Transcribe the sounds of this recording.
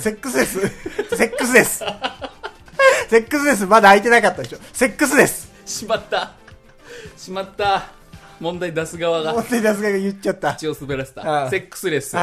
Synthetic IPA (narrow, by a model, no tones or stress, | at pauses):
se̞kːɯ̟sɨd̪esɨse̞kːɯ̟s̬ɨd̪e̞sɨ̥ | se̞kːɯ̟sɨd̪e̞s̬ɨmad̪aːit̪enakat̪ːad̪e̞ɕose̞kːɯ̟sɨd̪e̞sɨ̥ | ɕimat̪ːa | ɕimat̪ːa | mõnd̪aid̪asɨɡaβaɡamõnd̪aid̪asɨɡaaɡajɯtt͡ɕat̪ːat͡ɕiosɨbeɾaɕe̥t̪ãse̞kːɯ̥sɨd̪esɨ̥